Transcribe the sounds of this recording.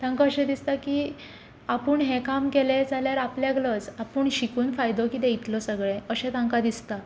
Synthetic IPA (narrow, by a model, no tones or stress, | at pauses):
t̪ãŋkaəɕɛ̃d̪ist̪akiː | apuːɳɦẽkamkeled͡zaljaɾapljaɡlət͡sapuːɳɕikuːnfajd̪okit̪eit̪lɔsəɡɭẽəɕɛ̃t̪ãŋkad̪ist̪a